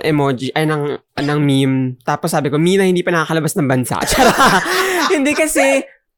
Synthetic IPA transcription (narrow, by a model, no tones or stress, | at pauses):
ʔɛmod͡ʒiʔɐjnɐŋnɐŋmimt̪aːposːaːbɪko̞miːnɐhɪnd̪iːpɐnɐkaːkɐlɐbasnɐŋbɐnsa̰ʔt͡ʃaːɾa | hɪnd̪ɛkɐsɛ